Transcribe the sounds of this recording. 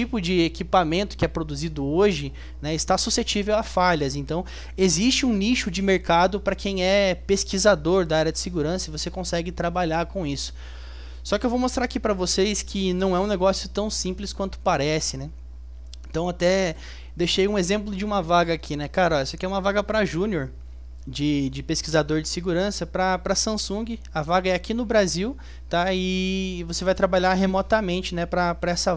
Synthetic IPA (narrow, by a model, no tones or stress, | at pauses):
t͡ʃipʊd͡ʒɪekipamẽnt̪ʊ̥kɪɛpɾod̪uzid̪ʊoʒɪ | nɛɪst̪asuset͡ʃivewafaʎɐzẽnt̪ɐ̃w̃ | ezist͡ʃɪũniʃʊd͡ʒɪmeɾkad̪ʊpɾɐkʰẽj̃ɛpeskizad̪oɾd̪aaɾjɐd͡ʒɪsɪɡuɾɐ̃sɐɪvosekõsɛɡɪt̪ɾabaʎaɾkõw̃isʊ̥ | sɔkɪewvomost̪ɾaɾakipɾɐvoseskʰɪnɐ̃w̃ɛũneɡɔsjʊt̪ɐ̃w̃sĩmplɪskwɐ̃nt̪ʊ̥paɾɛsɪnɛ | ẽnt̪ɐ̃w̃at̪ɛ | d̪eʃejũezẽmplʊd͡ʒɪũmɐvaɡɐakʰinɛkaɾɔɛsɔkɪɛũmɐvaɡɐpɾɐʒũnioɾ | d͡ʒɪd͡ʒɪpeskizad̪oɾd͡ʒɪsɪɡuɾɐ̃sɐpɾɐpɾɐsɐ̃sũɡɪ | ɐvaɡɐɛakinʊbɾaziw | t̪aɪvosevajt̪ɾabaʎaɾɦemɔt̪ɐmẽnt͡ʃɪnɛpɾɐpɾɐɛsɐ